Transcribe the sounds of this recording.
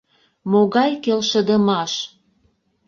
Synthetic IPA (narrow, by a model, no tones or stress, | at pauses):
moɣɑjkelʃə̆d̪əmɑʃ